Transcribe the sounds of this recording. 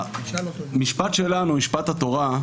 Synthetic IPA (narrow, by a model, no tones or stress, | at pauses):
miʃpat̪ʃelanumiʃpat̪hat̪o̞ʁa